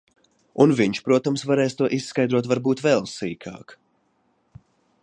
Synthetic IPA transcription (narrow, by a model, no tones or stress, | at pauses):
unviɲʃpɾuɔt̪amsvaɾeːst̪uɔʔissːkajd̪ɾuɔt̪vaɾbuːt̪vɛlˠsiːkʰaɑ̰ːk